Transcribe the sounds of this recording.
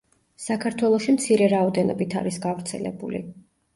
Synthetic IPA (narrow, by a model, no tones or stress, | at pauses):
sakʰaɾt̪ʰwɛlˠɔʃimt̪sʰiɾɛɾaɔd̪ɛnɔ̰bit̪ʰa̰ɾisɡavɾt̪sʰɛlɛ̰bulḭ